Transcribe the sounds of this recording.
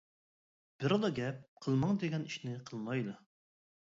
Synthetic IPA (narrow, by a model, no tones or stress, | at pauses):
b̥ɪɾɑd̪ɑɡʲɛp̚qʰəlˠmɑŋd̪eɡʲɛniʃnɪqʰəlˠmɑjd̪u